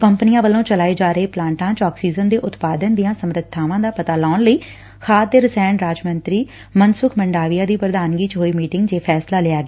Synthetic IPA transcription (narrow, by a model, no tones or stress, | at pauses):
kəmpnɪjãːʋəlõːt͡ʃəlaːeːd͡ʒaːɾəeːplãːɳʈãːt͡ʃɔːksiːzənd̪eːʔʊt̪paːd̪ənd̪ijãːsəmɾət̪̚t̪ʰːaːʋãːd̪aːpət̪aːlaːnləiː | xʰaːd̪əɾsɛ̃ːɳɾaːd͡ʒmənt̪ɾiː | mənsʊkʰməɳɖaːʋijãːd̪iːpɾəd̪aːnɡiːt͡ʃɦoːiːmiːʈɪŋɡd͡ʒeːpʰɛːslaːlɪaːɡeː